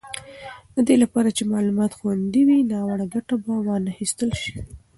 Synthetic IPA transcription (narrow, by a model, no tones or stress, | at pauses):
d̪̥əd̪elapɑɾat͡ʃemɑlumɑt̪xwand̪iwinɑwaɽaɡaʈabawɑnaxist̪əlʃi̥